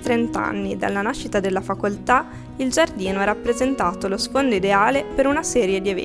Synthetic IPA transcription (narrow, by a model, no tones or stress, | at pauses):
t̪ɾent̪a̰nːid̪a̰lːanaʃːit̪ad̪elːafakolt̪a | ild͡ʒard̪iːnoɛɾapːɾezent̪aːt̪olosfond̪oid̪eaːlepeɾunasɛːɾjed̪ievɛ̰